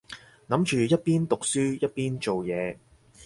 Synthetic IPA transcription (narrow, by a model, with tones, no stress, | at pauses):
nɐ˨˥mt͡ʃyː˨jɐ˥t̚piː˥nt̪ʊ˨k̚syː˥jɐ˥t̚piː˥nt͡ʃo˨wjɛː˨˧